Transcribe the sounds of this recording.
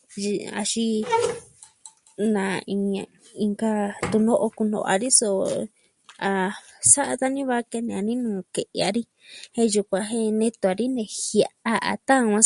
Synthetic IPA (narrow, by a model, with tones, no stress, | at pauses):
a̰˧ʃi˦ | nã˨i˧ã˧ | ĩ˧ŋɡa˧t̪u˧nõ˦ʔo˧ku˧nõ̰˧a̰˧ɾi˦so˧ | a˧ | sa˦ʔa˧t̪a˦nĩ˦βa˦ke˧nẽ˧˨ã˧nĩ˦nũː˨˧ke˨ʔe˧a˧ɾi˦ | hẽ˧˦ju˧kʷã˧ɦẽ˦nẽ˧t̪u˧a˧ɾi˦nẽ˧hija˧ʔa˦ʔa̰˨˧t̪ã˦˧wʷã˦